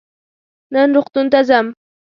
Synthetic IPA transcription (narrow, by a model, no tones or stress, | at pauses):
nanɾʊqt̪ʊnt̪azam